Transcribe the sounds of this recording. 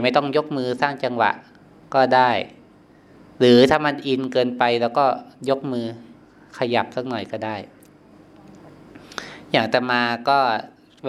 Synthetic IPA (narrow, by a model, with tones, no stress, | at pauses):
ma˥˩jt̪ɔ˥˩ŋjo˦˥k̚mɯː˧saː˥˩ŋt͡ɕa˧ŋwa̰˨˩ʔ | kɔː˥˩daː˥˩j | ɾɯː˩˦t̪ʰaː˥˩ma˧nʔi˧nkɤː˧npa˧jlɛː˧˥wkɔː˥˩jo˦˥k̚mɯː˧ | kʰa˧ja˨˩p̚sa˦˥k̚nɔ˨˩jkɔː˥˩daː˥˩j | jaː˨˩ŋt̪ɛː˨˩maː˧kɔː˥˩